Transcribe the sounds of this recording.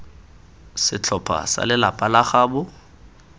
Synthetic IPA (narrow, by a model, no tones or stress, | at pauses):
sɪt͡ɬʰɔpʰa̰sa̰lɪlapʼalaχaːbʊ